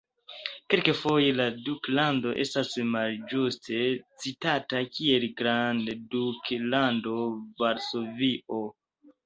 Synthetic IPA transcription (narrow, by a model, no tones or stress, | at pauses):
kelkefo̞je̞laduklando̞ʔe̞̰stasmald͡ʒustʰe̞t͡sitatakie̞lɡɾandduklando̞vaɾso̞viʔo̞